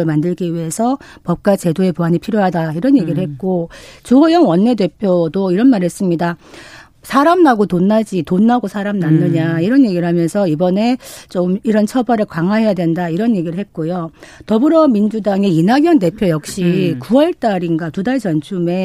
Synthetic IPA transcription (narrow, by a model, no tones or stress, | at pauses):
ɯɭmandɯɭɡiɥiɦe̞sʰʌpʌp̚k͈wat͡ɕe̞doe̞poɦaɲipʰiɾjoɦadaiɾʌnje̞ɡiɾɯɭhe̞t̚k͈ot͡ɕuɦʌjʌŋwʌnːe̞de̞pʰjodoiɾʌnmaɾɦe̞s͈ɯmɲida | sʰaɾamnaɡotonːad͡ʑitonːaɡosʰaɾamnanːɯɲaiɾʌnje̞ɡiɯɭhamjʌnsʰʌibʌne̞t͡ɕomiɾʌnt͡ɕʰʌbʌɾɯɭkwaŋɦwaɦe̞jadwe̞ndaiɾʌnje̞ɡiɾɯɭhe̞t̚k͈ojotʌbɯɾʌmind͡ʑudaŋe̞inɦaɡjʌnde̞pʰjojʌk̚ɕ͈ikuwʌɭt͈aɾiŋɡatudaɭd͡ʑʌnt͡ɕʰume̞